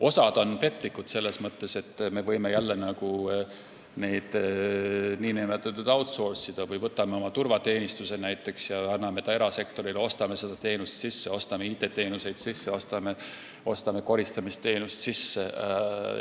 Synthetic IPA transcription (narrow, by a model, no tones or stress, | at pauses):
o̞sɑd̪̥o̞npe̞t̪ˑlikːˑud̪̥se̞lːe̞smɤt̪ːe̞se̞t̪ːme̞vɤjme̞jælːenɑɡu | ne̞jd̪̥ | niːnæmet̪ːˑɑt̪ˑːud̪ɑwt̪sorsid̪̥ɑvɯjvɤt̪ːˑɑme̞o̞mɑt̪urvɑt̪e̞ːnist̪use̞næjt̪ːˑe̞ksjɑɑnːɑme̞t̪ɑe̞ɾɑse̞kt̪o̞ɾileo̞st̪ɑme̞se̞d̪̥ɑt̪e̞ːnust̪sisːeo̞st̪ɑmeiːt̪ːˑe̞t̪e̞ːnuse̞jd̪̥sisːe̞o̞st̪ɑme̞ | o̞st̪ɑme̞ko̞ɾist̪ɑmist̪ːe̞ːnust̪sisːe